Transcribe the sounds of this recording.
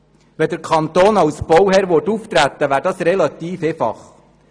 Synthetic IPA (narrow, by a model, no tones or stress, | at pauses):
ʋɛd̪əɾkʰɑnt̪oːnɑwsb̥ɔwhɛːɾʋotuft̪ɾæt̪ːəʋæːɾdɑːsɾɛlɑt̪iːfeːfɑ̰χ